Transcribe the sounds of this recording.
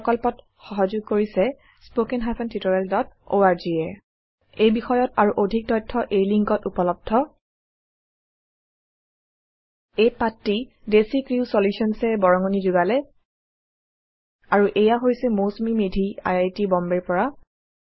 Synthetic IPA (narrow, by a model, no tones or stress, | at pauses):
kɔlpɔt | xɔɦazuɡ̚koɹisɛ | spokɛnɦasɛntʰitɔɹaldɔt̚o̰aɹziɛ | ejbixɔjɔtaɹuʔodʱik̚tɔjtʰːɔʔejliŋkɔtupɔlɔb̚dʱɔ | ejpatːidesikɹiwsoljusiɔnsɛbɔɹɔŋonizuɡalɛ | aɹuʔejaɦojsɛmosmimedʱia̰jajtibɔmbɛɹpɔɹa